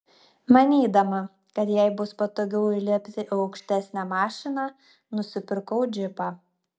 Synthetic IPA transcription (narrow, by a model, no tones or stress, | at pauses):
mɐnʲiːd̪ɐmɐ | kɐt̪jɛɪbʊspɐt̪oːɡʲɛʊɪlʲiɛpʲt̪ʲɪʔɐʊkʃʲt̪ʲæsʲnʲæmɑːʃʲɪnɑː | nʊsʲɪpʲɪɾkɐʊd͡ʒʲɪpɑː